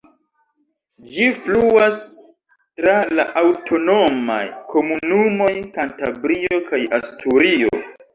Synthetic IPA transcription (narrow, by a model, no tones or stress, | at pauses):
d͡ʒifluas | tɾalaʔawtʰo̞no̞ma̰jkʰo̞munumo̞jkantabɾio̞kajastʰuɾio̰